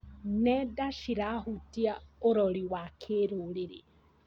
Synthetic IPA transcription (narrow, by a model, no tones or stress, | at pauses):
nɛdaʃiɾahutiaoɾoɾiwakʰeɾoɾeɾḛ